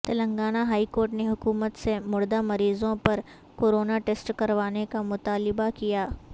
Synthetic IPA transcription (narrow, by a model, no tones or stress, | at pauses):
t̪ɐlə̃ŋɡaːnaɦaːikoːɾʈneɦʊkuːmət̪semʊɽd̪amɐɾiːzõpɐɾ | koːɾoːnaʈeːsʈkɐɾʋaːnekamʊt̪aːlɪbakijaː